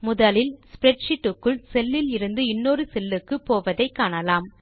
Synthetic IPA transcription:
mʊðɐlɪlspɪɾɛʈʂɪʈːɯkːɯɭsɛlːɪlɪɾɯnd̪ɯɪnːoːrɯsɛlːɯkːɯpoːʋɐðɐɪkːaːɳɐlaːm

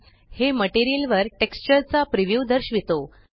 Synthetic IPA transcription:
heməʈeɾijilʋəɾʈekst͡ɕəɾt͡sapɾiʋjud̪əɾɕʋit̪o

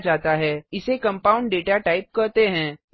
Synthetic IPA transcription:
d͡ʒaːt̪aɦɛːɪsekɐ̃mpaːʊ̃ɳɖɖeːʈaʈaːɪp̚kɐɾt̪eɦɛ̃ː

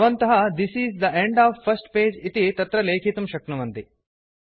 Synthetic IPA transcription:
ʋɐnt̪ɐɦɐd̪isizd̪ɐʔẽɳɖaːʋfɐsʈpeːd͡ʒit̪it̪ɐt̪ɾɐleːkʰit̪umʃɐknɐmɐnt̪i

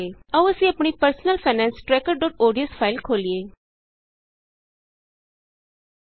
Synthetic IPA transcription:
eɐʋəsĩɐpɽ̃ipəɾsnəlfʰaːnɛ̃ːnsʈɾɛkəɾɖɔːʈoːɖijəspʰaɪlkʰoːlie

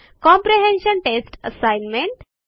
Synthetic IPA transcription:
kɔ̃mpɾiɦẽnɕənʈesʈəsajnmẽɳʈ

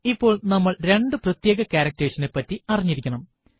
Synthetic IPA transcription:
ipːo̞ːɭnɐmːɐɭɾe̞ɳɖɨprɐt̪jeːɡɐkaːɾɐk̚tːeʂɐnepːɐtːiɐriɲːiɾikʲːɐɳɐm

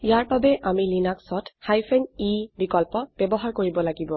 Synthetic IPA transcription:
ijaɹbabɛʔamilinaksɔthajpʰɛnibikɔlpɔb̥ɛbɔɦaɹkoɹibɔlaɡibɔ

